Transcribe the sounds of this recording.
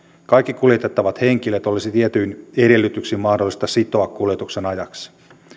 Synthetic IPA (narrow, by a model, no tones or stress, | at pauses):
kɑjkːikuljet̪et̪ːɑʋɑt̪he̞ŋkilet̪o̞lisit̪iet̪yjineɾe̞lːyt̪yksiːmmɑhdo̞lːˑist̪ɑsit̪o̞ɑkkuljet̪uksenɑjɑks